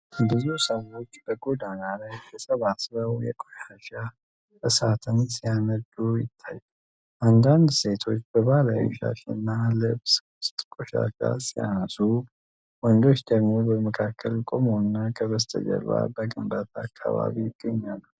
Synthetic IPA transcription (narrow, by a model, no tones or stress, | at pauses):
ɨbɨzusao̞t͡ʃːbəɡo̞d̪analajkʰɛsəβasɾəwjɛ̰kʼoʃaʃa | əsat̪ʰɨnsijaməd̪ujɪ̰t̪ʰːajːu | ʔand̪and̪se̞t̪ʰo̞t͡ʃːbəβalajṵʃa̰ʃenːalɨβsʊst̪ʼkʼoʃa̰ʃa̰sija̰nəsu | wɔnd̪o̞t͡ʃːd̪əɡmo̞bəməkʰakʰːəlkʼomonːakʰəβəst̪ʰʼə̰d͡ʒə̰la̰bəɡɨmbat̪ʰakʰːa̰βa̰βijɪɡ̥ːəɲːaləw